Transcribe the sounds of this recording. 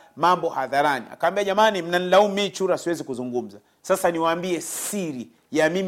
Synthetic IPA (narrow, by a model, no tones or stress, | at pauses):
mambɔhaðaɾanḭa̰kawambiaʄamanim̩nanilaummit͡ʃuɾasiwɛzikuzuŋɡum̩za | sasaniwaːmbiɛsiɾi | jamim